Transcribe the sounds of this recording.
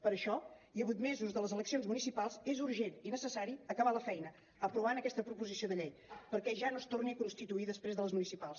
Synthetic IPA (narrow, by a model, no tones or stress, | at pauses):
pəɾəʃɔiəβujt̪mezuzðələzələksionzmunisipalˠzezuɾʒeninəsəsaɾiəkəβaləfɛjnə | əpɾuβ̞anəkɛst̪əpɾupuzisioðəʎejpəɾkɛʒanost̪orniəkunst̪it̪uiðəspɾezðələzmunisipalˠs